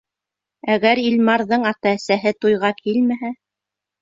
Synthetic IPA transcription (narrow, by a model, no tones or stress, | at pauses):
æɣæɾilmɑɾðɤɴɑt̪ɑːsæɦɘt̪ujʁɑkʰilmæɦæ